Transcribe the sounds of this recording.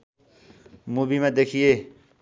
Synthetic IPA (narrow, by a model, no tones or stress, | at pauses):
mubimẽd̪eːkʰijeː